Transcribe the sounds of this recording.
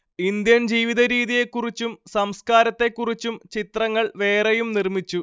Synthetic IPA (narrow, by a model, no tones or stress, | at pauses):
ind̪jɐnd͡ʑiːʋiðɐɾiːðije̞kːurit͡ɕːumsɐmskaːɾɐt̪ːe̞kːurit͡ɕːumt͡ɕit̪rɐŋːɐɭʋe̞ːrejumnirmit͡ɕːu